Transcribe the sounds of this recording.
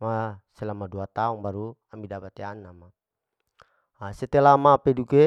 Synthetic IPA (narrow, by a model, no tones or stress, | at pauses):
maselamaduat̪auŋbaɾuamidapat̪eanama | aset̪elamapeduke